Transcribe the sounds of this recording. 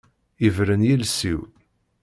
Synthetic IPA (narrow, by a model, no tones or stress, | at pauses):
ivɾənjilsiw